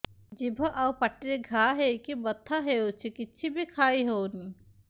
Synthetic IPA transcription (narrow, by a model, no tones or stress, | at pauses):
d͡ʒibʱəʔawpəʈːɾeɡʱaɦeikibət̪ʰːaɦeut͡ʃʰikitːt͡ʃʰibʱikʰaːiɦoni